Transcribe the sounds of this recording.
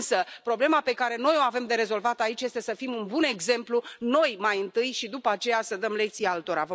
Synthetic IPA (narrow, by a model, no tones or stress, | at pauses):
səpɾo̞ble̞mape̞kaɾe̞no̞jo̞ave̞md̪e̞ɾe̞zo̞lvat̪ait͡ʃje̞st̪e̞səfimunbune̞ɡze̞mpluno̞jmajɨnt̪ɨjʃid̪upəat͡ʃe̞jasəd̪əmle̞k̚t̪sijalt̪o̞ɾa̰və